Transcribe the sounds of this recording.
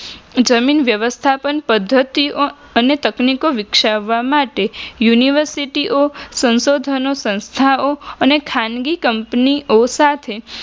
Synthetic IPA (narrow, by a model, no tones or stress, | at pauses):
d͡ʒəminʋjəʋəst̪ʰapənpəd̪ʱːət̪io | ənet̪əknikoʋɪkʃaʋːamaʈejuniʋəɾsiʈiʔosə̃nsod̪ʱənosə̃nst̪ʰaoənekʰanɡikəmpniʔosat̪ʰe